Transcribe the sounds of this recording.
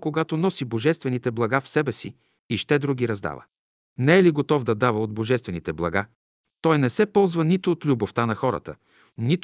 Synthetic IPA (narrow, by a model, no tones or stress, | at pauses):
koɡat̪onɔsiboʒɛst̪vɛnit̪ɛblˠɐɡafsɛbɛsḭ | iʃt̪ɛd̪ɾuɡiɾɐzd̪a̰və̰ | nɛɛliɡot̪ɔvd̪ɐd̪avəod̪̚boʒɛst̪vɛnit̪ɛblˠɐ̰ɡa | t̪ɔjnɛsɛpɔlˠzvənit̪ʊːt̪lʲuboft̪anɐxɔɾə̰t̪ə̰ | nit̪